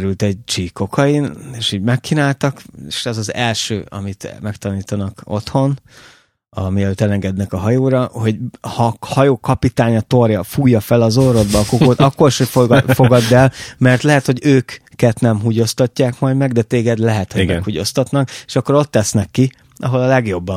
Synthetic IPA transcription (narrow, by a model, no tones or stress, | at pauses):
ɾylt̪ɛɟ̚t͡ʃiːko̞kʰɒineːʃhiɟmɛkt͡ʃinaːlt̪ɒkeːʃɛzɒzɛlʃø̰ːɒ̰mit̪mɛkt̪ɒniːt̪ɒnɒko̞̰t̪ho̞n | ɒ̰miɛløːt̪ɛlɛŋɡɛd̪nɛkɒɦɒjoːɾɒho̞ɟhɒhɒjoːkɒpit̪aːɲɒt̪o̞rjɒfuːjːɒfɛlɒzoro̞d̪bɒlkokoːt̪ɒkːo̞riʃofo̞ɡɒd̪ːɛlmɛrt̪lɛɦɛt̪ho̞ɟøːkːɛt̪nɛmɦuɟo̞st̪ɒcːaːkmɒjd̪mɛɡd̪ɛt̪eːɡɛd̪lɛɦɛt̪hoɡɛkhuɟo̞̰st̪ɒt̪nɒke̥ːʃɒkːoɾo̞t̪ːɛsnɛkːi | ʔɒ̰ɦo̞lɒlɛɡjo̞bːɒ